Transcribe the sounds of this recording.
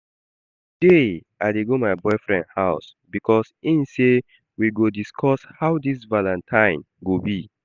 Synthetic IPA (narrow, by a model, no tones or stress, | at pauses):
d̥eʔaɪdeɡomaɪbɔɪfɹɛ̰̃ndhaʊs | bikʰɔsĩnse | wiɡodiskʰɔshaʊdisvalãntʰãɪ̃n | ɡobi